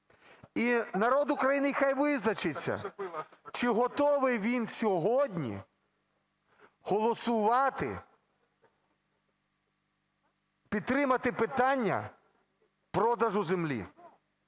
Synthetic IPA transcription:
inɐɾɔd̪ʊkɾɐjinɪjxajʋɪznɐt͡ʃɪt͡sʲːɐ̰ | t͡ʃɪɦɔt̪ɔʋɪʋʲinsʲɔɦɔdʲnʲḭ | hɔlˠɔsʊʋɑt̪ɪ̰ | pʲid̪̚t̪ːɾɪmɐt̪ɪpɪt̪ɑnʲːɐ̰ | pɾɔd̪ɐʒʊzemlʲḭ

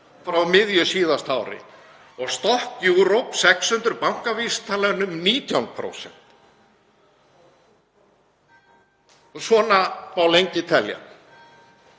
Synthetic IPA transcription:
fɾawmɪðjʏsiːðast̪awɾɪ̰ | ɔɣst̪ɔhkjuwɾowpsɛkshʏnt̪ʏɾpawŋ̥kavist̪ʰaːlanʏmniːt̪ʰjawnpʰɾo̰wsɛ̰n̥t̪ | ɔsɔːnapawlejɲcɪt̪ʰɛlja̰n

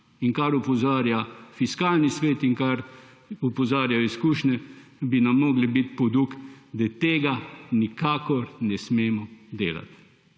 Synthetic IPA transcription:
iŋkaɾupɔzaːɾjafiskaːlnisʋeːt̪iŋkaɾ | upɔzaːɾjaiskuːʃnʲɛbinamːɔːɡlibit̪pɔd̪ukd̪ɛt̪eːɡanikaːkɔɾnɛsmeːmɔd̪eːla̰t̪

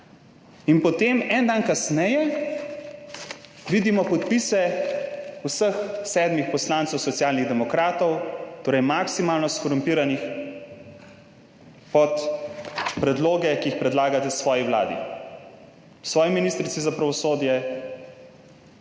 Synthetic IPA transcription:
inpɔt̪emɛnd̪ankasnɛjɛ | ʋid̪imɔpɔt̪pisɛ | usəxsɛːd̪mixpɔslaːnt̪sɛwsɔt̪sjaːlniɣd̪ɛmɔkɾaːt̪ɔwt̪oːɾɛjmaksimaːlnɔskɔɾumpiːɾanix | pɔt̪ | pɾɛd̪loːɡɛkiixpɾɛd̪laːɡat̪ɛsʋɔːjiʋla̰ːd̪ḭ | sʋɔːjiminist̪ɾit̪sizapɾaʋɔsoːd̪jɛ

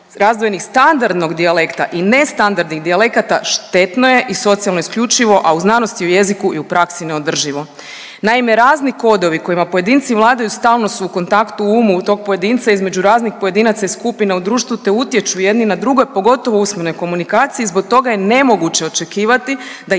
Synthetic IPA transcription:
ɾazd̪ʋoje̞nixst̪and̪aɾd̪no̞ɡd̪iale̞kt̪a̰ʔine̞st̪and̪aɾd̪niɣd̪iale̞kat̪aʃt̪e̞t̪no̞je̞ʔiso̞t̪sijalˠnoiskʎʲut͡ʃiʋo̞ʔauznaːno̞st̪iuje̞zikuʔiupɾaksine̞o̞d̪r̩ʒiʋo̞ | naime̞ɾaːzniko̞d̪o̞ʋiko̞jimapo̞je̞d̪iːnt̪siʋlˠaːd̪ajust̪aːlˠno̞suːko̞nt̪akt̪uuːmut̪o̞ːɡ̚po̞je̞d̪int̪saizme̞d͡ʒuɾaːznixpo̞je̞d̪inat̪saiskupinaud̪ɾuːʃt̪ʋut̪e̞ut̪je̞t͡ʃuje̞d̪ninad̪ɾuɡo̞jpo̞ɡo̞t̪o̞ʋousmeno̞jko̞munikaːt̪siezbo̞k̚t̪o̞ɡaje̞ne̞mo̞ɡut͡ɕe̞o̞t͡ʃe̞kiːʋat̪i | d̪a

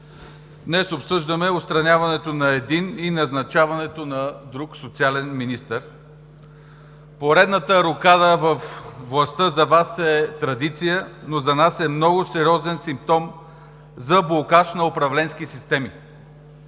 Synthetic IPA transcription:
d̪nɛsopsɤʒd̪əmɛʊt̪st̪ɾɐnʲavɐnɛt̪onɐɛd̪ininɐznɐt͡ʃavɐnɛt̪onɐd̪ɾuksot̪sialɛnminist̪əɾ | poɾɛd̪nət̪əɾʊkad̪əvəfvlˠɐst̪ɤzɐvasɛt̪ɾɐd̪it̪sijənozɐnasɛmnɔɡʊsɛɾʲiɔzɛnsimp̚t̪ɔm | zɐblˠokaʃnɐopɾɐvlɛnskisist̪ɛmi

